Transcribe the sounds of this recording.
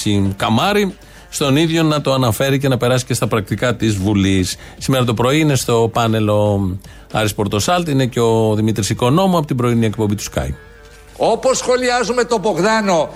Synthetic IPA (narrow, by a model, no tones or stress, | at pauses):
sikɐmɐɾi | st̪o̞niðʝo̞nɐt̪oɐnɐfe̞ɾice̞nɐpe̞ɾɐsi̥ce̞st̪ɐpɾɐk̚t̪ikɐt̪izvulisː | ime̞ɾɐt̪̬o̞pɾo̞iine̞st̪o̞pɐne̞lo̞ | ɐ̰ɾispo̞ɾt̪o̞sɐlt̪ine̞ceo̞ðimit̪ɾisiko̞no̞moɐpo̞t̪ibɾo̞inie̞k̚pombit̪u̥skɐ̰j | oposːxo̞liɐzume̞t̪o̞boɣðɐno̞